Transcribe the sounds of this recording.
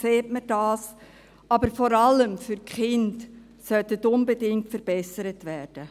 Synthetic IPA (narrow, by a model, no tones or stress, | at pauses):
seːtməd̥ɑːs | ɑbəɾfɔɾɑləmfʏɾkχɪnt | sœtətʊnbədɪŋ̚tfəɾb̥ɛsəɾətvæːrd̥ə